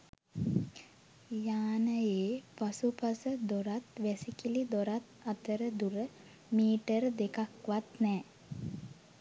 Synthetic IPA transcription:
jaːnəjeːpasupasəd̪oɾat̪ʋæsikilid̪oɾat̪at̪əɾəd̪uɾə | miːʈəɾəd̪ekakʋat̪nɛː

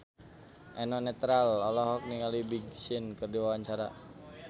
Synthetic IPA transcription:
ʔɛnɔnɛt̪ɾalɔlɔɦɔk̚niŋalibiɡ̚sinkɨrdiwawaɲt͡ʃaɾa

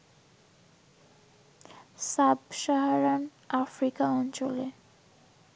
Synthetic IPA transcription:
sabʃaɦaɾan | afɾikaɔnt͡ɕole

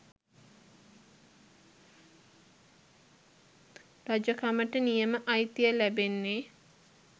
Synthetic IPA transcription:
ɾad͡ʒəkaməʈənijəməʔɐjt̪ijəlæbenːe

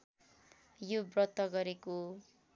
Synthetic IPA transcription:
jobrʌt̪ːʌɡʌɾeko

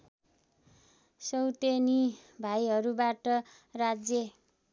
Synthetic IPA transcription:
sʌwt̪enibʱajɦʌɾubaʈʌ | rad͡zjʌ

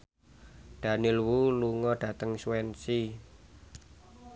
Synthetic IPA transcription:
d̥a̤nɪlwuluŋɔɖ̥ä̤t̪əŋswɛnsi

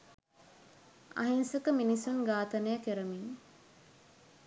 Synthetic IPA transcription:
a̰ɦinsəkəminisunɡaːt̪ɐnəjakeɾəmiŋ

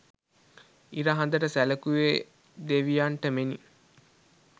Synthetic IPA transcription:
iɾɐɦɐnd̪ɐʈəsælɐkuʋeː | d̪eʋijaːɳʈəmeni

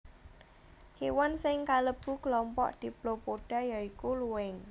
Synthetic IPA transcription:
kewɔnsɪŋkaləb̥ṳklɔmpɔ̰ʔd̪̥i̤blopoɖ̥a̤jaikuluwɪŋ

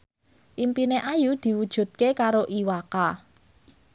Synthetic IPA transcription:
ʔimpineʔajud̪̥i̤wud̥ʒ̥ṳt̪̚kekaɾoʔiwaka

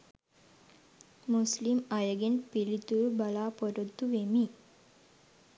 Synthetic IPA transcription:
muslimajəɡenpilit̪ubalaːpoɾod̪ːuʋemiː

